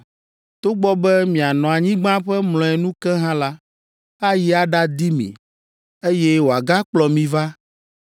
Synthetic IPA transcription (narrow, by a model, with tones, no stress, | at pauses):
t̪o˦ɡ͡bɔ˦bɛ˦mĩ˨a˨nɔ̃˨a˨ɲĩ˦ɡ͡bã˦ɸɛ˦mlɔ̃˨ɛ˨nũ˦kɛ˦ɦã˦la˦ | a˦ji˦a˨ɖa˦d̪i˦mḭ̃˨ | e˦jɛ˦wo˨a˨ɡa˦k͡plɔ˨mĩ˨va˦